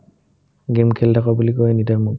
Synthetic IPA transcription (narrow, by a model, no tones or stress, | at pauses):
ɡemkʰɛldʰakabulikojenitaɹmu